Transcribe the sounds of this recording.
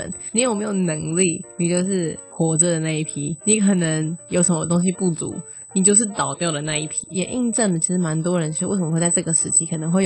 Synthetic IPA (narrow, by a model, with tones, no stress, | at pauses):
n˨˥o˨˩me˧˥ɪjo˨˩ʊnə˧˦ŋli˥˩ni˨˩t͡ɕjo˥˧ʊʂ̬ɻ̩˥˩xwɔ˧˥ʈ͡ʂə˧d̪ə˩na˥˧i˥˩pʰi˧˥ni˧˦kʰə˨˩nə˦ŋjo˧˥ʊsə˧˥˦ə˧˩t̪̬o˥ŋɕ̬i˧pu˥˩t͡sṵ˧˦ | ni˨t͡ɕjo˥˧ʊʂ̬ɻ̩˥˩t̪ɑ˨˩ʊt̪jɑ˥˩ʊdə˩na˥˧i˥˩pʰi˦˧jɛ̰˨nʔi˥˧nʈ͡ʂə˥˩nd̪ə˩t͡ɕʰi˧˥ʂɻ̩˧˥˦ma˧˦nt̪̬wɔ˦ɻə˧˦nt͡ɕʰi˧˥˧wə˨˩mə˦xwt͡sa˥˧ʈ͡ʂɡə˩ʂɻ̩˥˩t͡ɕʰi˧˥kʰə˨˩nə˧˦ŋxwe˥˩